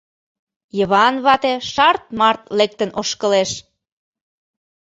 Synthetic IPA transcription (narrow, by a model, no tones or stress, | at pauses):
jəβɑnβɑt̪eʃɑrt̪̚mɑrt̪lek̚t̪ənoʃkə̆leʃ